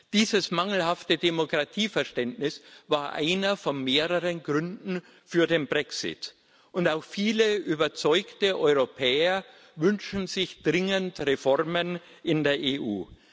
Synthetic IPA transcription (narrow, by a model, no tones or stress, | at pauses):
d̥iːzəsmaŋl̩haftədemokʁ̥atʰiːfɛɐʃtɛntnɪsvaːɐʔa̰ɪnɐfɔnmeːʁəʁənɡʁʏndn̩ | fyːɐdenbʁɛksɪ̰t | ʔʊntaʊxfiːləʔyːbɐt͡sɔʏktəʔɔʏʁopʰɛːɐ | vʏnʃn̩zɪçd̥ʁɪŋəntʁefɔʁmən | ʔɪndeːɐʔeːʔuː